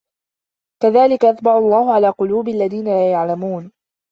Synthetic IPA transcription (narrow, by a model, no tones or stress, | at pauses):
kaðaːlɪkaʔat̪bɑʕʊɑlˤːɑːhʊʕalaːqʊluːbɪʔalːaðiːnalaːjaʕlamuːn